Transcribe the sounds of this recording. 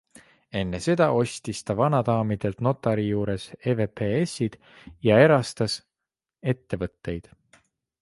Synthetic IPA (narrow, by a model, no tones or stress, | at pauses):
e̞nːe̞se̞d̪̥ɑʔo̞sʲt̪ist̪ɑvɑnɑd̪ɑːmid̪̥e̞lt̪no̞t̪ˑːɑɾijuːɾe̞seve̞peesid̪̥ | jɑe̞ɾɑst̪ɑs | e̞t̪ːe̞vɤt̪ːe̞jd̪̥